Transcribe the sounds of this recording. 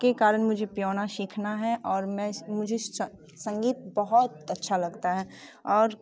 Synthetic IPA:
kekaːɾənmʊd͡ʒʱepjɔːnaʃikʰnaɦɛʔɔːɾmɛ̃mʊd͡ʒʱe | sɐ̃ŋɡiːt̪bɐɦʊt̪ɐtːʃʰalɐɡt̪aɦɛːɔːɾ

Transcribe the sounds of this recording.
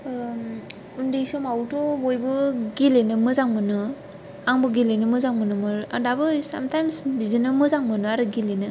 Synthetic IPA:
undesɔmawtɔbɔjbɯɡilenɯmɯzaŋmɯnɯ | aŋbɯɡilenɯmɯzaŋmɯnɯmɯɾadabɯsa̰mtajmsbizinɯmɯzaŋmɯnɯaɾɯɡilenɯ

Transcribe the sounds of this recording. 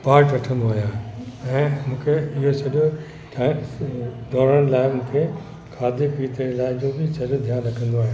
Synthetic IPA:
paːɾʈʋɐʈʰə̃nd̪oaːɦijaːɛ̃ːmũːkʰeɪɦosɐɗo | ʈa | ɖʱɔːɾəñɪ̆laːɪmũːkʰe | kʰaːd̪ʱepiːt̪elaːɪd͡ʑoːbɪsɐɗod̪ʱjaːnɾɐkʰə̃nd̪oaːɦe

